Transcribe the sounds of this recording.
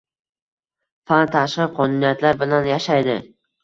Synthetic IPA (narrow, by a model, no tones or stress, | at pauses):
fant̪ʰaʃqɨqʰɒnunijat̪ʰlaɾbɪlanjaʃajd̪ɪ